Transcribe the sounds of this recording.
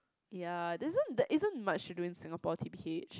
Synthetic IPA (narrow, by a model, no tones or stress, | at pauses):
jadɛɪzə̃ndɛʔɪzə̃nmat͡ʃduɪ̃ŋsɪ̃ŋəpɔtʰibiʔet͡ʃ